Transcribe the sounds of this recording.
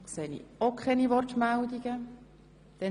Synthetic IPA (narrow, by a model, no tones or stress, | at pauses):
kseːnḭokχɛniʋɔrtmæld̪iɡ̥ə | d̥̪ɛ